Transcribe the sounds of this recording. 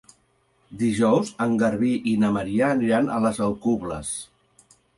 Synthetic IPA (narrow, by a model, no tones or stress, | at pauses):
d̪iʒɔwzəŋɡəɾβiʔinəməɾiaːniɾanʔə̰ləzəlˠkuβlə̰s